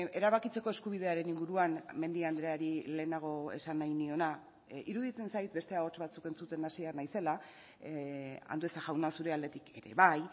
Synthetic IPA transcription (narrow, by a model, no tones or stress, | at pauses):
e̞ɾaβakit͡se̞ko̞e̞skuβ̞ið̞e̞aɾe̞niŋɡuɾuanme̞nd̪iand̪ɾeaɾile̞ːnaɣ̞o̞e̞̰sanːajnio̞na | iɾuðit͡se̞nsajt̪be̞st̪eao̞t͡ʃβat͡suke̞nt͡sut̪e̞nasiaɾnajse̞la | a̰nd̪ue̞saʝawnasuɾe̞ald̪e̞t̪ike̞ɾe̞̰βaj